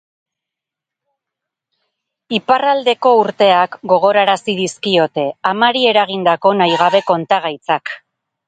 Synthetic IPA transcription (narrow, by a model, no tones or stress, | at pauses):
iparald̪e̞ko̞uɾt̪e̞akɡo̞ɣ̞o̞ɾaɾasiðiskio̞t̪e̞amaɾie̞ɾaɣ̞ind̪ako̞najɣ̞aβe̞ko̞nt̪aɣ̞ajt͡sak